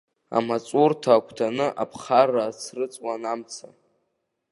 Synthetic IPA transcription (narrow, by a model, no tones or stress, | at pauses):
a̰mat͡sʼurtʰaːkʷʰtʰanɨʔapʰχarat͡sʰrɨt͡sʼwanamt͡sʰa̰